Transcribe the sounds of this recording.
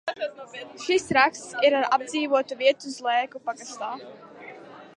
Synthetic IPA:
ʃisɾakst̪siɾaɾab̚d̪ziːvuɔt̪uviɛt̪uzlˠɛːkupaɡast̪aː

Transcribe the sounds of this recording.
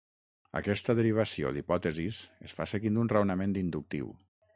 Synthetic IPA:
ə̰kɛst̪əðəɾiβ̞asio̰d̪ipɔt̪əzisesfaseɣind̪unrəwnəmend̪ind̪uk̚t̪ḭw

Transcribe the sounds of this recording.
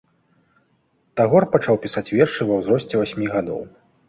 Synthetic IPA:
t̪aɣɔrpat͡ʂawpʲisat͡sʲvʲɛrʂɨvɐwzɾɔsʲt͡sʲɛvasʲmʲiɣad̪ɔ̰w

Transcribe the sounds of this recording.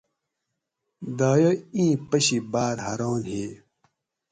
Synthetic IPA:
d̪aːjoĩːpɐɕibaːɾhɐɾoːnɦeː

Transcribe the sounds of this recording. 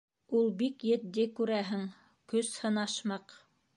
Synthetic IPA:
ulˠbikjɘ̆t̪̚d̪ɘkʉɾæɦɘŋ | kɵshɤ̆nɑʃmɑq

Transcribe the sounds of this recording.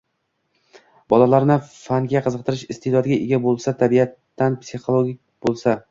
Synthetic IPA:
bɒlalaɾnɪfaŋɡʲaqʰɨzɨq̚t̪ʰɪɾɪʃɪst̪ʰed̪ɒd̪ɡʲaʔeɡʲabolˠsat̪ʰabijat̪ːanpsiχolˠoɡʲik̚ʲb̥olˠsa

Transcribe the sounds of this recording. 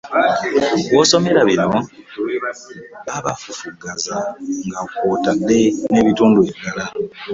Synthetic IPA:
wo̞ːso̞me̞ɾaβino̞ | aβafufuɡazaŋɡako̞ːtadːe̞ne̞βituːndueβiɡala

